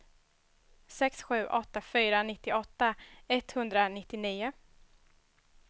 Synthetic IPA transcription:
sɛksɧʉ̟ːʔɔt̪ːafyːɾanɪt̪ːɪʔɔt̪ːaɛt̪hɵnd̪ɾanɪt̪ːɪniːʊ

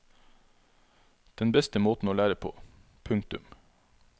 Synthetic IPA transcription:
d̪̥ɛnbɛst̪əmoːt̪n̩oːlæːɾəpʰo̰ː | pʰʉŋkt̪ʉ̰m

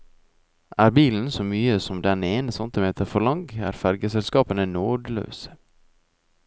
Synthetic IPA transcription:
ʔæːɾbiːln̩soːmyːəsɔmd̪ɛneːnəsɑnt̪ɪmeːt̪ʰəɾfɔlɑŋɡæ̰ːɾfæɾɡəsɛlskɑːpənənoːd̪lø̰ːsə̥

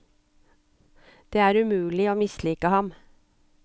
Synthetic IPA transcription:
d̪̥eːæːɾʉmʉːlɪoːmɪsliːkəhɑm

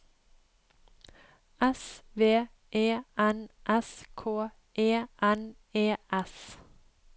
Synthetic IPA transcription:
ʔɛsʋeː | ʔeːʔænʔɛskʰoː | ʔeːʔæn | eːʔɛs

